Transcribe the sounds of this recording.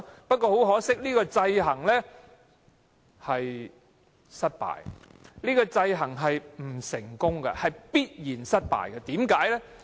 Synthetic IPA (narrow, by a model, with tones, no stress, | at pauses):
pɐ˥t̚kɔː˧ɦo˨˥wɦɔː˨˥sɪ˥k̚liː˥kɔː˧t͡sɐ˧jɦɐ˨˩ŋlɛː˥ | hɐ˨j | sɐ˥t̚pa̰ː˨˩jliː˥kɔː˧t͡sɐ˧jɦɐ˨˩ŋɦɐ˨jm̩˨˩sɪ˨˩ŋkʊ˥ŋɡɐ̰˧hɐ˨jpiː˥t̚jiː˨˩nsɐ˥t̚pa̰ː˨˩jkɐ˧t̪iː˨˥mkaː˨˥jlɛ˥